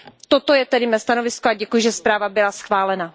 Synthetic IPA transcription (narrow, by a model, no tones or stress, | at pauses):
t̪ot̪o̞jɛt̪ɛdɪmɛst̪ano̞vɪskoaɟɛkujɪʒɛspɾaːvabɪlasxvaːlɛna